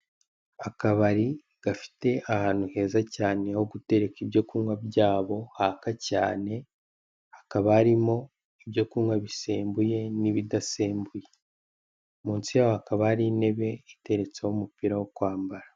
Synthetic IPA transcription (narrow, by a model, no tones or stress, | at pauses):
akaβaɾi | ɡ̥afi̥te̞ʔahaːn̥huhe̞ːzacaːne̞ho̞ɡute̞ɾe̞kibjo̞kuwabjaːβo̞haːkacaːne̞ | hḁkaβaːɾimo̞ | ibjo̞kumwaβiseːmbuje̞niβidaseːmbuje̞ | muːnsijaːβohakaβaɾine̞βe̞ite̞ɾe̞t͡sewumupiɾawokwaːmbaɾa